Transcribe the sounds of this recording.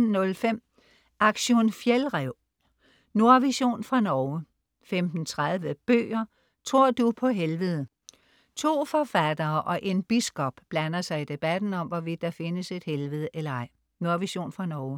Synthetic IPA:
nɔ̽lfem̰ | ʔɑ̈ɡ̥ɕo̝nfjelʁɛʊ̰ | no̝ɐʋiɕo̝̰ːnfʁɑ̈nɒʊ | femd̥n̩t͡sʰʁaðˠʋəb̥ø̰ːɐ | t͡sʰʁo̝ɐ̰d̥upʰɒ̽ɦelʋəð̩ˠ | t͡sʰo̝̰ːfɒ̽fæd̥ɐːʔɒ̽ʔe̝nb̥isɡ̥ɒ̽b̥ːlænɐsɑ̈ɪid̥e̝b̥æd̥n̩ɒ̽mʋɒʋid̥ːɑ̈fe̝nəse̝d̥helʋəð̩ˠəʔelɐɑ̈ɪ̰ | no̝ɐʋiɕo̝̰ːnfʁɑ̈nɒʊə

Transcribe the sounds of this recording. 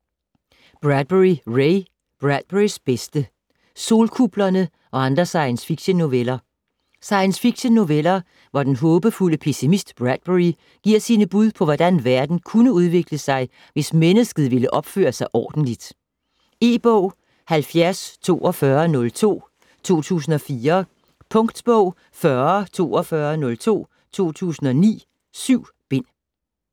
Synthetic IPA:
b̥ʁæd̥̚b̥eʁiʁeɪ | b̥ʁæd̥̚b̥eʁisb̥esd̥ə | so̝ːlkʰub̥lɐnə | ʔɒ̽ɑ̈nd̥ʁɐsɑ̈ɪənsfiɡ̥ɕənːoʋelɐ | sɑ̈ɪənsfiɡ̥ɕənːoʋelɐ | ʋɒd̥enɦɔ̽ːb̥əfuləpʰe̝simisd̥b̥ʁæd̥̚b̥eʁi | ɡ̥iɐ̰siːnəb̥uð̞ˠpʰɒ̽ʋɒd̥ænʋæɐd̥n̩kʰunəuð̞ˠʋe̝ɡ̥ləsɑ̈ɪ | ʋe̝smenəsɡ̥ð̞̩ˠʋe̝ləʔɒ̽b̥fø̰ːɐsɑ̈ɪʔɒːd̥n̩lid̥ | e̝̰ːb̥ɔʊ̰ | hælfjæɐst͡sʰo̝̰ːʔɒfɶɐnɔ̽lt͡sʰo̝̰ː | t͡sʰo̝̰ːt͡sʰṵːsn̩ɒ̽fiːɐ | pʰɔ̽ŋd̥b̥ɔʊ̰ | fɶɐt͡sʰo̝̰ːɒfɶːɐnɔ̽lt͡sʰo̝̰ː | t͡sʰo̝̰ːt͡sʰṵːsn̩ɒ̽nḭː | syʊ̰ | b̥e̝n̰

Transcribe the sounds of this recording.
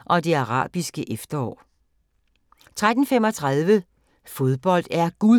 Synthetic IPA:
ʔɒ̽d̥e̝ɑ̈ʁɑ̰̈ːb̥isɡ̥əʔefd̥ɐɒ̰ː | t͡sʰʁad̥n̩fem̰ɒ̽t͡sʰʁɑðˠʋə | fo̝ð̞ˠb̥ɒ̽l̰d̥æɐɡ̥uðˠ

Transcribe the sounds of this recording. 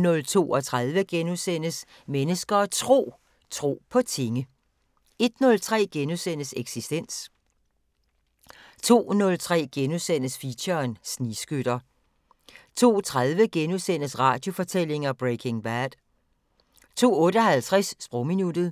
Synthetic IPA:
nɔ̽lt͡sʰo̝̰ːɒ̽t͡sʰʁað̞ˠʋəɡ̥enusen̰əs | menəsɡ̥ɐːt͡sʰʁo̝̰ː | t͡sʰʁo̝̰ːpʰɒ̽t͡sʰe̝ŋə | e̝d̥nɔ̽lt͡sʰʁɛ̰ːɡ̥enusen̰əseɡ̥sisd̥en̰s | t͡sʰo̝̰ːnɔ̽lt͡sʰʁɛ̰ːɡ̥enusen̰əsfiɕɐːnsnisɡ̥øɾ̥ɐ | t͡sʰo̝̰ːt͡sʰʁað̞ˠʋəɡ̥enusen̰əsʁɑ̈ːd̥jo̝fɒ̽t͡sʰel̰e̝ŋɐb̥ʁekʰe̝ŋb̥æd̥ | t͡sʰo̝̰ːɔ̽ːɾəɒɦælt͡sʰʁɛsːb̥ʁɒminud̥ð̩ˠ

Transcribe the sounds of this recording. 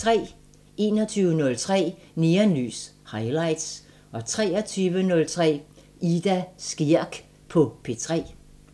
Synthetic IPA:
t͡sʰʁɛ̰ː | e̝ːnɒt͡sʰyːʊənɔ̽lt͡sʰʁɛ̰ː | niɐny̰ːshɑ̈ɪlɑ̈ɪ̰d̥s | ɒ̽t͡sʰʁɛ̰ːɐt͡sʰyːʋənɔ̽lt͡sʰʁɛ̰ː | id̥æsɡ̥iɐ̰ɡ̥ | pʰɒ̽pʰe̝t͡sʰʁɛ̰ː

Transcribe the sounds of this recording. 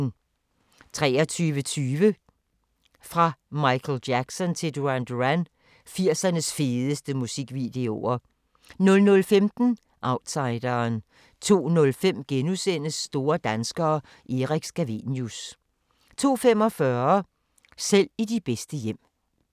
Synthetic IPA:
t͡sʰʁɛːɐt͡sʰyːʋət͡sʰyːʋə | fʁɑ̈mɑ̈ɪkʰl̩d̥jæɡ̥sɒ̽nt͡sʰe̝d̥uænd̥æn | fiɐ̰sɐnəsfe̝ːðˠəsd̥əmusiɡ̥ʋid̥e̝o̝ɐ | nɔ̽lnɔ̽lfemd̥n̩ | ʔɑ̈ʊd̥sɑ̈ɪd̥ɐːn | t͡sʰo̝̰ːnɔ̽lfem̰ɡ̥enusen̰əsːd̥o̝ːɐd̥ænsɡ̥ɐː | ʔeʁiɡ̥sɡ̥æʋḭnjus | t͡sʰo̝̰ːfem̰ɒ̽fɶɐɐ | sel̰idib̥esd̥əjem̰

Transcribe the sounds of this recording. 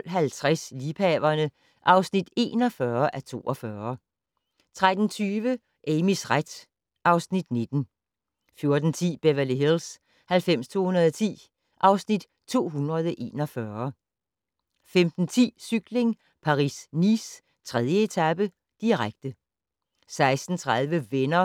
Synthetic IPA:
l̰ɦælt͡sʰʁɛsliːpʰɛbɐnə | ʔɑ̈ʊsnid̥e̝̰ːnɒ̽fɶɐʔæt͡sʰo̝̰ːʔɒ̽fɶːɐ | t͡sʰʁad̥n̩t͡sʰyːʋə | ʔemisʁad̥ | ʔɑ̈ʊsnid̥ne̝d̥n̩ | fjo̝ɐd̥n̩t͡sʰḭːb̥eʋæləɦels | hælfem̰st͡sʰo̝̰ːhunɐð̩ˠɒt͡sʰḭː | ʔɑ̈ʊsnid̥ | t͡sʰo̝̰ːɦunʁɐð̞ˠʔe̝̰ːnɒ̽fɶːɐ | femd̥n̩t͡sʰḭːsyɡ̥le̝ŋ | pʰɑ̈ʁḭːsniːs | t͡sʰʁɛðˠjəe̝t͡sʰæb̥ə | d̥iʁaɡ̥̚d̥ə | sɑ̈ɪsd̥n̩t͡sʰʁaðˠʋəʋenɐ

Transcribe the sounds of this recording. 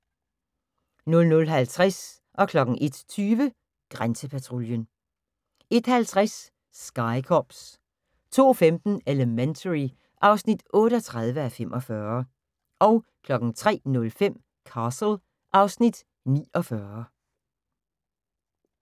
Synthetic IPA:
nɔ̽lnɔ̽lɦælt͡sʰʁas | ʔɒ̽kʰlɒ̽ɡ̥ŋ̩ʔe̝d̥t͡sʰyːʋə | ɡ̥ʁansəpʰæt͡sʰʁo̝ljən | e̝d̥hælt͡sʰʁasː | ɡ̥ɑ̈ɪkʰɒb̥s | t͡sʰo̝̰ːfemd̥n̩eləment͡sʰəʁi | ʔɑ̈ʊsnid̥ɔ̽ːɾəɒ̽t͡sʰʁað̞ˠʋəæfemʔɒ̽fɶːɐ | ʔɒ̽ʊkʰlɒ̽ɡ̥ŋ̩t͡sʰʁɛ̰ːnɔ̽lfem̰ | kʰɑːsl̩ | ʔɑ̈ʊsnid̥ | nḭːɒ̽fɶːɐ

